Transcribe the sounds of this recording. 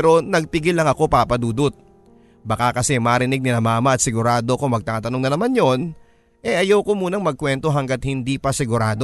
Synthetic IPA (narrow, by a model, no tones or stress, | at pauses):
ɛɾo̞nɐɡ̚pɪɡɪlːɐŋɐko̞papɐd̪uːd̪ʊt̪̚ | bɐkakɐsɛmɐɾɪnɪɡ̚nɪnɐmaːmɐʔɐt̪sɪɡʊɾaːd̪o̞ɐko̞mɐɡ̚t̪aːt̪ɐnoŋnɐnɐmanjo̞n | ʔɛʔɐjawko̞muːnɐŋmɐɡ̚kwɛnt̪o̞ɦɐŋɡat̪̚hɪnd̪ipɐsɪɡʊɾaːd̪o̞